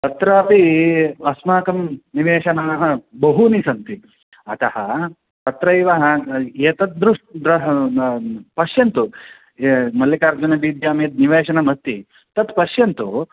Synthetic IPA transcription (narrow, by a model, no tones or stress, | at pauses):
t̪ɐt̪ɾɐɐpiɐsmaːkɐmniʋeːʃɐnaːɦɐ̆bɐɦunisɐnt̪i | ɐt̪ɐhɐ̰ | t̪ɐt̪ɾɐiʋɐɦɐ̆eːt̪ɐt̪̚d̪ɾuʂʈd̪ɾɐɦ | pɐʃjɐnt̪u | mɐlːjɐkaːɾd͡ʒunɐbiːd̪jaːmjɐt̪̚niʋeːʃɐnɐmɐst̪ːi | t̪ɐt̪pɐʃjɐnt̪u